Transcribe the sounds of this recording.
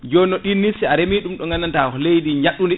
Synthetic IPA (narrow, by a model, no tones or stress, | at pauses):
d͡ʒɔnːɔɗinːisiaɾemiɗumɗɔŋanantaːhɔlejdiɲaɗːundi